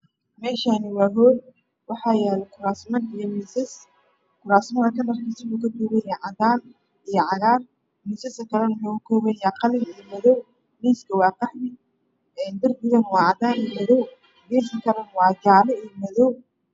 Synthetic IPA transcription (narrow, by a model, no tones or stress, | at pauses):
mɛːʃanɪwɑːɦɔːd̪ | wɑħɑːjɛːlɛkʰʊɾaːsmɐnijɔmisɛs | kʰʊɾaːsmɐðɐkʰɐnɐrkʰisɐmukʰɐkuːβɛjaʕɑd̪aːn | ijɔʕɑɣaːr | miːsɐsɐkʰɐlɛnɐħɔːɣʊkʰɔːβɛjaːqɑlɪnijɔmɐðɔw | miːskʰɐwɑːqɑħnɪ | ɛːnd̪ɐrbɪɣɐnwɑːʕɑd̪aːnijmɐðɔw | biːsɐkʰɐlɛnwɑːd͡ʒaːlɔijɔmɐðɔw